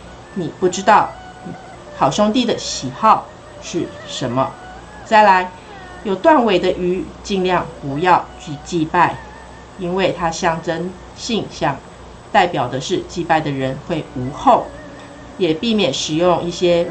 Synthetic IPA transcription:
ni˨˩pu˥˩ʈ͡ʂɻ̩˥t̪ɑ˥˩ʊ | ni˨˩ | xɑ˨˩ʊɕjʊ˥ŋt̪i˥˨d̪ə˨ɕi˨˩xɑ˥˨˧ʊ | ʂɻ̩˥˩ | ʂə˧˥nmə˧ | t͡sa˥˩ɪla˧˥ɪ | jo˨˩ʊt̪wa˥˨nwe˨˩ɪd̪ə˨ʔy˧˥t͡ɕi˥˧ŋljɑ˥˨ŋpu˧˦jɑ˥˨˧ʊt͡ɕy˥˧t͡ɕi˥˧pa˥˩ɪ | i˦nwe˥˩ɪt̪ʰa˥ɕjɑ˥˩ŋʈ͡ʂə˥n | ɕi˥˧ŋɕjɑ˥˩ŋ | t̪a˥˩ɪpjɑ˨˩ʊd̪ə˦ʂɻ̩˥˧t͡ɕi˥˧pa˥˩ɪd̪ə˩ɻə˧˦nxwe˥˩ɪu˧˥xo˥˩ʊ | jɛ˨˩pi˥˩mjɛ˨˩nʂɻ̩˨˩jʊ˥˧ŋi˥˩ɕjɛ˦˥

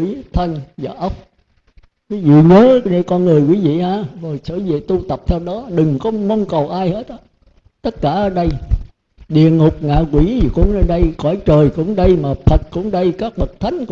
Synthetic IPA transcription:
i˧˩˦t̪ʰə˧nzaː˨˩ʔə˦˥wk͡p̚ | kwi˨˦zṵ˧˨ɲəː˨˦ne˧kɔ˧nŋɨ˨˩əjkwi˨˦vḭ˧˨haː˧˨vo˨˩jsə̰˧˦zḛ˧˨t̪u˧t̪ə˨˩p̚t̪ʰɛ˧wɗɔ˨˦ɗɨ˨˩ŋkɔ˨˦mə˧wŋ͡mkə˨˩wʔaː˧jhe˦˥t̚ɗə˨˦ | t̪ə˦˥t̚kaː˧˩ʔəː˧˦ɗə˧j | ɗḭ˧˨əŋʊ˨˩k͡p̚ŋa̰ː˧˨kwi˧˩˨kʊ̰˧˥ŋ͡mə˧ɗə˧jkɔ˧˩˦jt͡ɕəː˨˩jkʊ̰˧˥ŋ͡mɗə˧jmaː˨˩t̪ʰə˨˩t̚kʊ̰˧˥ŋ͡mɗə˧jkaː˦˥k̚ɓə˨˩k̚t̪ʰa˨˦jŋ̟k

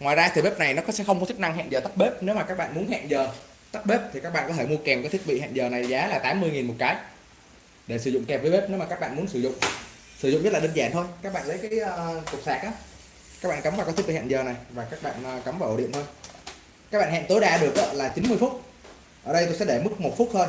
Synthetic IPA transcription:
ŋwaː˨˩jzaː˧t̪i˨˩ɓe˦˥p̚na˨˩jnɔ˨˦kɔ˨˦sɛ̰˧˥xə˧wŋ͡mkɔ˨˦t͡ɕʰi˦˥k̚na˧ŋɦa̰˧˨nzəː˨˩t̪ə˦˥k͡p̚ɓe˦˥p̚ne˨˦wmaː˨˩aː˦˥k̚ɓa̰ː˧˨nmu˨˦ənɦa̰ː˧˨nzəː˨˩ | t̪a˦˥k͡p̚ɓe˦˥p̚t̪ʰi˨˩kaː˦˥k̚ɓa̰˧˨kɔ˨˦t̪ʰe˧˩mu˧kɛ˨˩mkɔ˨˦t̪i˦˥k̚ɓḭ˧˨ha̰ː˧˨nzəː˨˩na˨˩jzaː˨˦laː˨˩t̪aː˨˦mːɨ˧əjŋi˨˩nmo˨˩t̚kaː˨˦j | ɗe˧˩sɨ˧˩zʊ̰˧˨ŋ͡mkɛ˨˩p̚və˨˦jɓe˦˥p̚ne˨˦wmaː˨˩kaː˦˥k̚ɓa̰ː˧˨nm˨˦nsɨ˧˩zʊ̰˧˨ŋ͡m | sɨ˧˩zʊ̰˧˨ŋ͡mz̚laː˨˩˨ə˧ŋzaː˧˩˨nt̪ʰo˧jkaː˦˥k̚ɓa̰ː˧˨nlə˨˦jkaː˨˦jːkʊ˨˩k͡p̚saː˨˩k̚ʔaː˨˦ | kaː˦˥k̚ɓa̰ː˧˨kə˨˦mvaː˨˩kɔ˨t̪̚ʰɓḭ˧˨hːnzəː˨˩na˨˩jvaː˨˩kaː˦˥k̚ɓa̰ː˧˨nː˨˩kə˨˦mvaː˨˩wʔo̰˧˩ɗḭ˧˨ənt̪o˧j | kaː˦˥k̚ɓa̰ː˧˨ha̰ː˧˨nt̪o˨˦jɗaː˧ɗɨ˨˩ək̚ʔə˨˦laː˨˩t͡ɕi˨˦nmɨ˧əfu˦˥t̚ | ʔəː˧˩ɗə˧jt̪o˧sɛ̰˧˥ɗe˧˩mɨ˦˥k̚mo˨˩t̚fu˦˥t̚həː˧n

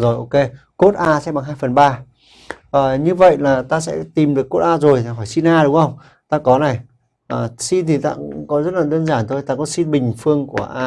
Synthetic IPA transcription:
zo˨˩jʔo˧ke˧ko˦˥t̚ʔaː˧sɛ̰˧˥ɓa˨˩ŋɦaː˧jfə˨˩nɓaː˧ | ʔəː˨˩ɲɨ˧və̰˧˨jlaː˨˩t̪aː˧sɛ̰˧˥t̪i˨˩mɗɨ˨˩əkːo˦˥t̚ʔaː˧zo˨˩jɦɔː˧˩jsi˧nʔaː˧ɗʊ˨˦ŋ͡mʔə˧wŋ͡m | t̪aː˧kɔ˨˦na˨˩j | ʔəː˨˩si˧nt̪ʰi˨˩t̪a̰ː˧˥kɔ˨˦zə˦˥t̚laː˨˩ɗəː˧nzaː˧˩nt̪ʰo˧˩jt̪aː˧kɔ˨˦si˧nɓï˨˩ŋ̟fɨ˧əŋku˧˩əʔaː˧

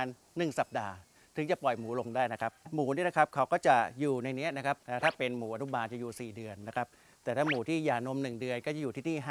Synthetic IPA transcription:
nːɯ˨˩ŋsa˨˩p̚daː˧ | t̪ʰɯ˩˦ŋt͡ɕa˨˩pɔ˨˩jmuː˩˦lo˧ŋdaː˥˩jna˦˥kʰa˦˥p̚muː˩˦ni˥˩əna˦˥kʰa˦˥p̚kʰa˦˥wkɔː˥˩t͡ɕa˨˩juː˨˩na˧jni˦˥ɐna˦˥kʰa˦˥p̚t̪ɛː˨˩t̪ʰaː˥˩pe˧nmuː˩˦ʔa˧nu˦˥˩baː˧nt͡ɕa˨˩juː˨˩siː˨˩dɯ˧ənːa˦˥kʰa˦˥p̚ | t̪ɛː˨˩t̪ʰaː˥˩muː˨˩˦t̪ʰiː˥˩jaː˨˩no˧mnɯ˨˩ŋdɯ˧ənkɔː˥˩t͡ɕa˨˩juː˨˩iː˥˩niː˥˩ɦaː˥

